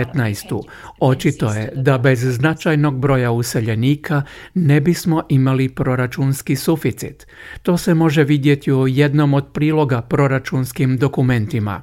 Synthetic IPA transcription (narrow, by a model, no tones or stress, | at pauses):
t̪najst̪u | o̞t͡ʃit̪o̞jed̪abe̞zːnat͡ʃajno̞ɡbɾo̞jause̞ʎe̞niːkʰane̞bismo̞ʔimalipɾo̞ɾat͡ʃunskisufit̪sḭt̪ː | o̞ːse̞mo̞ʒeʋid̪je̞t̪iuje̞d̪no̞mo̞d̪̚pɾiːlˠo̞ɡapɾo̞ɾat͡ʃunskimd̪o̞kume̞nt̪ima̰